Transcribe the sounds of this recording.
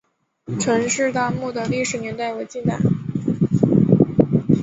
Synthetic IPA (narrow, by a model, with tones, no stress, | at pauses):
ʈ͡ʂʰɤ˧˥ŋʂɻ̩˥˧t̪a˥mu˥˩d̪ə˩li˥˩ʂɻ̩˧˥njɛ˧˥nt̪a˥˩ɪwe˧˥ɪt͡ɕi˥˩t̪a̰˥˩ɪ